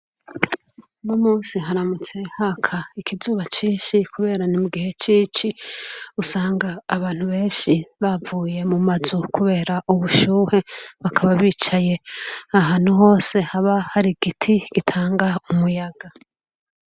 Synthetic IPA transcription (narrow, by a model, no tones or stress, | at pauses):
nomuːsiɦaɾamut͡se̞hakʰaikʰizuːβat͡ʃiːnʃikuβe̞ːɾanimuɡihe̞t͡ʃiːt͡ʃiusaːŋɡaːβaːn̥huβe̞ːnʃiβavuːje̞mumazukuβe̞ːɾaʔuβuʃuːhe̞βakʰaβaβit͡ʃaje̞aɦaːn̥uɦo̞ːse̞haβahaɾiɡitʰiɡ̥itʰaːŋɡaumujaɡ̥a